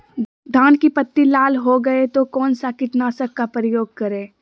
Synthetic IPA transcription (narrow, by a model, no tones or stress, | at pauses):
d̪ʱaːnkipɐt̪ːilaːlɦoɡɐet̪okɔːnsakɪʈnasɐkkapɾəjoːɡ̚kɐɾẽː